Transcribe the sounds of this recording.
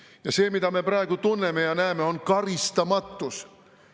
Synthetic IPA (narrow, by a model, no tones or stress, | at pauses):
jɑseːmit̪æmeprɑekut̪unːemejɑnæːmeonkɑrist̪ɑmɑt̪ːus